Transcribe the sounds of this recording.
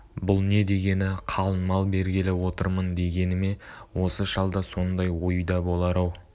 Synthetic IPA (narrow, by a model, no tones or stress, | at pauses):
bʊlˠne̞d̪e̞ɡʲe̞nɪqʰɑlˠənmɑlˠbe̞ɾɡʲɪlɪwo̞t̪əɾmənd̪e̞ɡʲe̞nɪme̞wo̞səʃɑlˠd̪ɑso̞nd̪ɑjwo̞jjd̪ɑbo̞lˠɑɾɑw